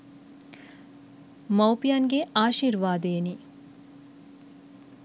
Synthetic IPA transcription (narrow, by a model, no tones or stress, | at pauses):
mɐwpijanɡeaːʃiːɾʋaːd̪eːni